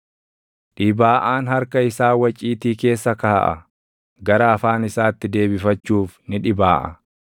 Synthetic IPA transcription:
ᶑɪbaːʔaːnɦɐɾkɐɪsaːwɐt͡ʃʼːiːt̪iːke̞ːsːɐkɐhɐʔɐ̰ | ɡɐɾɐːfaːnɪsaːt̪ːɪd̪e̞ːbɪfɐt͡ʃːuːfnɪᶑɪbaːʔɐ̰

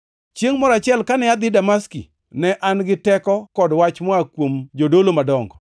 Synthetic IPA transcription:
t͡ʃeŋmɔɾat͡ʃɪɛlkanɛjad̪ɪdamaskḭ | nɛʔanɡɪtɛkɔkɔdwat͡ʃmɔakwomd͡ʒodolomadɔŋɡɔ

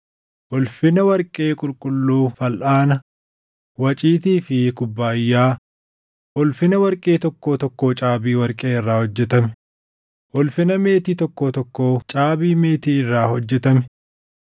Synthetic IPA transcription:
ʔɔlfɪnɐwɐɾkʼe̞ːkʼʊlkʼʊlːuːfɐlʔaːnɐ | wɐt͡ʃʼiːt̪iːfɪkʊbːaːjːaː | ʔɔlfɪnɐwɐɾkʼe̞ːt̪ɔkːo̞ːt̪ɔkːo̞ːt͡ʃʼaːbiːwɐɾkʼeːɪrːaːhɔd͡ʒːɛt̪ɐmɛ | ʔɔlfɪnɐme̞ːt̪iːt̪ɔkːo̞ːt̪ɔkːoːt͡ʃʼaːbiːme̞ːt̪iːɪrːaːhɔd͡ʒːɛt̪ɐmɛ̥

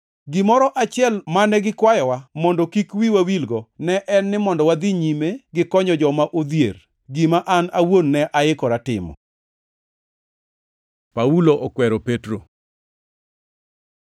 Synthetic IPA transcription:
ɡimɔɾɔʔat͡ʃɪɛlmanɛɡɪkwajɔwamɔndɔkikwiwawilɡɔnɛʔɛnːɪmɔndɔwad̪iɲimeɡɪkɔɲɔd͡ʒɔmaʔod̪jḛr | ɡimaʔanawonːɛʔaɪkɔɾatɪ̰mɔ̰ | pauloʔɔkwɛɾopetɾo

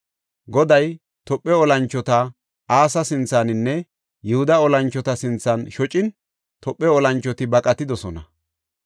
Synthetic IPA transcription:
ɡɔd̪ɐj | t̪ɔpʼːɛɔlɐnt͡ʃːɔt̪ɐ | aːsɐsɪnt͡sːanɪnːɛ | jɛhʊd̪ɐɔlɐnt͡ʃːɔt̪ɐsɪnt͡sːɐnʃɔt͡ʃʼɪn | t̪ɔpʼːɛɔlɐnt͡ʃːɔt̪ɪbɐkʼɐt̪ɪd̪ɔsɔnɐ

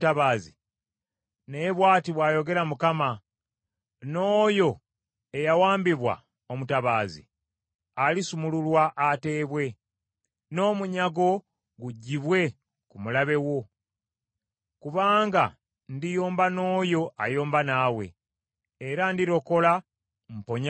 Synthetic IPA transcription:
taβaːzi | ne̞βwaːtiβwaːjo̞ɡe̞ɾamukama | no̞ːjo̞ | e̞jawaːmbiβwa̰ | o̞mutaβaːzḭ | alisumululwaʔːte̞ːβwe̞ | no̞ːmuɲaɡo̞ | ɡuɟːiβwe̞ | kumulaβe̞wo̞ | kuβaːŋɡa | ndijoːmbano̞ːjo̞ʔajoːmbanaːwe̞̰ː | ɾandiɾo̞ko̞la | m̩poɲ

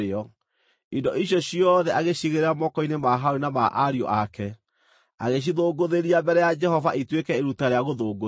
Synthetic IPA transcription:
ɔ | indɔʔiɕjɔɕijɔðɛʔaɣeɕiɣeɾeɾamɔkɔinemaɦaoɾinamaʔaɾiɔ̰ʔakɛ | a̰ɣeʃ̬iðoːɡoðeɾiambɛɾɛjad͡ʒɛɦɔvaʔitwekɛeɾutaɾeaɣoðoːɡo

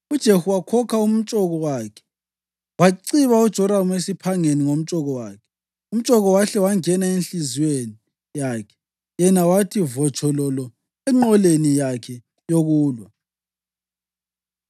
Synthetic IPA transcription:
ud̥ʒ̥ʱehuwakʰɔkʰaum̩t͡ʃʼɔɣɔwakʰɛ̥ | waǀiβaud̥ʒ̥ʱɔɾamuesipʰaŋeniŋom̩t͡ʃʼɔɣɔwaːkʰɛ̥ | um̩t͡ʃʼɔɣɔwaɬɛwaŋɛnaenɬizweni | jaːkʰɛ̥ | jɛnawatʰivɔt͡ʃʰɔlɔlɔ | ɛŋ͡ǃɔlenijakʰɛ | joɣuːlwa

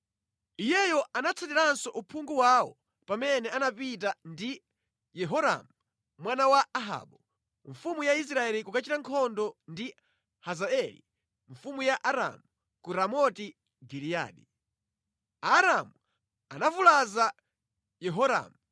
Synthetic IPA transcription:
ijɛjɔanat͡sʰatiɾansɔʔupʰuŋɡuwawɔ̰ | pamɛnɛanapit̬andi | jɛɦɔɾa̰mu | mwanawaːɦa̰ːɓɔ | ɱfumujais̬ɾaɛlikukat͡ʃiɾaŋkʰɔndɔndi | hazaɛlḭ | ɱfumujaʔaɾa̰mu | kuɾamɔti | ɡiɾija̰ːɗi | aːɾamu | anavulaza | jɛɦɔɾa̰ːmu

